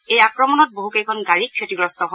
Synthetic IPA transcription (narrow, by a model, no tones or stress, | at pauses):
ejakɹɔmɔnɔt̚boɦukejkʰɔnɡaɹikʰːetiɡɹɔstɔɦo